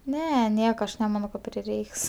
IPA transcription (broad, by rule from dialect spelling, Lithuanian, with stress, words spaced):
ˈnʲɛ ˈnʲiɛkɐ ˈɐʃ nʲɛˈmɑːnoː kɐ pʲrʲɪˈrʲɛɪks